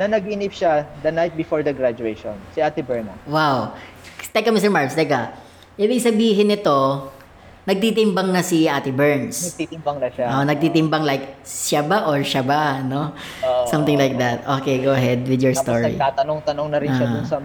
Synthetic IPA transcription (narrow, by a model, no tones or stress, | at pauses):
nɐnɐɡinipʃad̪ɐnajt̪̚bɪfoɹd̪ɐɡɾad͡ʒuejʃo̰nsiaːt̪ɪbɛɹnɐwawt̪ɛkːɐmɪst̪ɛɹmaɹmst̪ɛkɐ | ʔibɪɡsɐbiːɦɪnɪt̪o̞ | nɐɡ̚t̪it̪̬ɪmbɐŋnɐsiʔaːt̪ɪbɛɹnsɐit̪ɪmbɐŋɐaoʔʔonɐɡ̚t̪it̪ɪmbɐŋlajkʃabaʔoɹʃɐbano̞ | sɐ̃mt̪ɪ̃ŋlajk̚d̪ɐt̪̚ʔokejɡowʔɐɦɛd̪wɪd̪jɔɹst̪oɹḭaːt̪ɐnoŋt̪ɐnoŋnɐɾɪnʃad̪ʊsɐ